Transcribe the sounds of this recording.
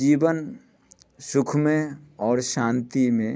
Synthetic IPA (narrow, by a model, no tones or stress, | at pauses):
iːbən | sʊkʰmẽɔːɾʃãːnt̪imẽ